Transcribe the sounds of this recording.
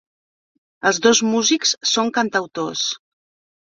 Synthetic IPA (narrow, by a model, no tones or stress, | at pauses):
əlˠzðozmuzikssoŋkənt̪əwt̪os